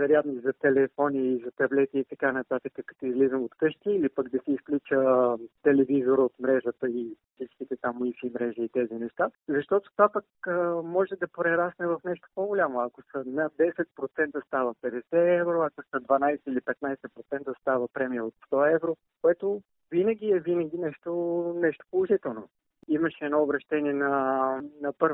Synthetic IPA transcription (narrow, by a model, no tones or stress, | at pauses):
vɛɾjat̪noizɐt̪ɛlɛfɔnʲiːzɐt̪ɐblɛt̪iːt̪ɐkanɐt̪at̪əkəkɐ̥t̪oizlizəmot̪kɤʃt̪iːlipəkd̪ɐsɛisklʲut͡ʃət̪ɛlɛvizoɾəot̪mɾɛʒət̪əisit͡ʃk̪it̪ɛt̪amʊifimɾɛʒiːt̪ɛzinɛʃt̪azɐʃt̪ɔt̪o̥t̪vapəkəmɔʒɛd̪ɐpɾɛɾasnɛvɐfnɛʃt̪o̥poɡolʲamoɐkosənɐd̪ɛsɛt̪̚pɾot̪sɛnt̪əst̪avəpɛd̪ɛsɛɛvɾoɐkosəd̪vɐnajsɛilipɛt̪najsɛpɾot̪sɛnt̪əst̪avəpɾɛmijəot̪st̪ɔɛvɾo | koɛt̪o | vinəɡʲiɛvinəɡʲinɛʃt̪onɛʃt̪o̥polˠʊʒit̪ɛlˠno | iməʃɛːnɔːbɾɐʃt̪ɛniɛnɐnɐpɤɾv